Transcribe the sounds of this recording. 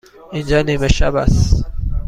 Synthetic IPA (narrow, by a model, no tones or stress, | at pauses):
ind͡ʒɒːniːmeʃa̰bæ̰s